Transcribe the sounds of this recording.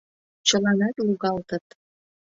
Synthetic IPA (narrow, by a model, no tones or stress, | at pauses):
t͡ɕəlɑnɑt̪luɣɑlt̪ə̆t̪